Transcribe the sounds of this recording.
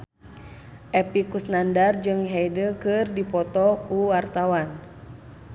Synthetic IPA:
ʔɛpikusnandard͡ʒɨŋɦɛjdəkɨrdipɔt̪ɔkuwart̪awan

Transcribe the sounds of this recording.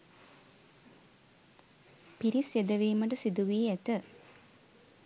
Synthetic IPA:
piɾisjed̪əʋiːməʈəsid̪uʋiːɛt̪ə

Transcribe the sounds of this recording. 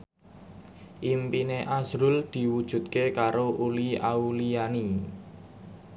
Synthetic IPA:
ʔimpineʔasɾʊld̪̥i̤wud̥ʒ̥ṳt̪̚kekaɾoʔulia̰ulijani

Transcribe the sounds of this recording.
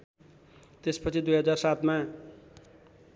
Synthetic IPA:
t̪espʌt͡sʰid̪ujɦʌd͡zarsat̪ma

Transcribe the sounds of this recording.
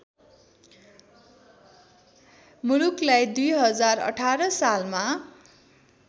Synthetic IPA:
muluklajd̪ujɦʌd͡zarʌ̰ʈʰaɾʌsalma

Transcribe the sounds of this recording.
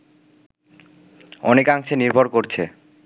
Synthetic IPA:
ɔnekaŋʃʰeniɾbʱoɾkoɾt͡ɕʰe

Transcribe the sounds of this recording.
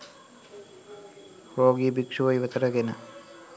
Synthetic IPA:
ɾoːɡibikʂuʋɐjʋɐt̪ɐɾɐɡenɐ

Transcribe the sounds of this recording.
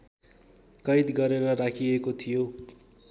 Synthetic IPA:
kʌjt̪ɡʌɾeɾʌrakʰiekot̪ʰijo

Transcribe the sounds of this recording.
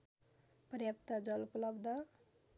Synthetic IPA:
prjʌp̚t̪ʌd͡zʌluplʌbd̪ʱʌ

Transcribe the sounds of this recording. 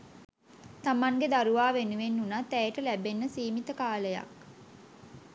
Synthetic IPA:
t̪amaŋɡed̪aɾuʋaːʋenuʋenːunat̪ːæeʈəlæbenːəsiːmit̪əkaːləja̰k

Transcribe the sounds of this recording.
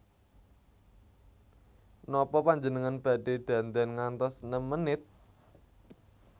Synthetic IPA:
nɔpɔpaɲd͡ʒənəŋanb̥a̤ɖ̥e̤d̪̥ä̤nt̪ɛnŋant̪ɔsnəmːənɪt̪̚

